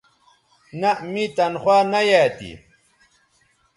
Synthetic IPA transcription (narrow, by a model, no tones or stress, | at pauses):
namit̪ɐnχwaːnajaːt̪ḭ